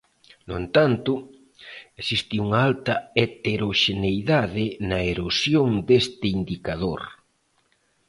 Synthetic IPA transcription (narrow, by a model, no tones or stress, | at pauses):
nʊent̪ant̪ʊ | esist̪ɪuŋaalt̪ɐet̪eɾoʃenejðaðɪnɐeɾosjoŋd̪est̪ɪind̪ikaðoɾ